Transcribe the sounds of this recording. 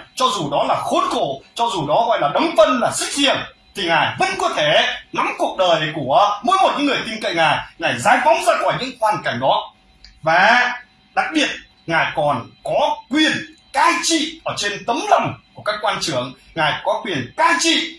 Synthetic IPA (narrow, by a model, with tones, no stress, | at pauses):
t͡ɕɔ˧zu˨˩ɗɔ˨˦laː˨˩xo˧nko˧˩˨t͡ɕɔ˧zu˨˩ɗɔ˨˦ɣɔ̰˧˨jlaː˨˩ɗə˨˦wŋ͡mfə˧nlaː˨˩sɨ˦˥k̚hzḭ˧˨əm | t̪ʰi˨˩ŋaː˨˩jvə̰˧˥nkɔ˧˦t̪ʰe˧˩na˨˦mku˨˩ək̚ɗəː˨˩jku˧˩əmo˨˧˦jmo˨˩t̚ɲɨ̰˧˥ŋː˨˩əjt̪i˧ŋkə̰˧˨jŋaː˨˩jŋaː˨˩jzaː˨˦jva˨˦wŋ͡mzaː˧kɔː˧˩jɲɨ̰˧˥ŋhwaː˨˩nka˧˩jŋ̟ɗɔ˨˦ | vaː˨˩ | ɗa˨˩k̚ɓi˨˩ət̚ | ŋaː˨˩jkɔ˨˩nkɔ˨˦kwi˨˩ən | kaː˧jt͡ɕḭ˧˨ʔəː˧˩t͡ɕe˧nt̪ə˨˦mla˨˩wŋ͡mku˧˩əkaː˦˥kːwaː˧nt͡ɕɨ˧˩əŋ | ŋaː˨˩jkɔ˨˦kwi˨˩ənkaː˧jt͡ɕḭ˧˨